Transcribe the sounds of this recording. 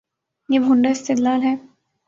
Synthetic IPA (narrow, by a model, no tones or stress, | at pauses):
jeːbʱʊ̃ɳɖaɪst̪ɪd̪laːlɦɛː